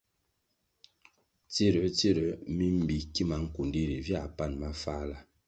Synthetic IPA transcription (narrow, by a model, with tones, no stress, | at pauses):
t͡si˦˨ɾə˨˦t͡si˦˨ɾə˨˦mi˦m˦bi˨ki˦ma˨˦ŋ̩˦ku˨ndi˦ɾi˨vja˦˨pa˦˨nma˦fa˦la˦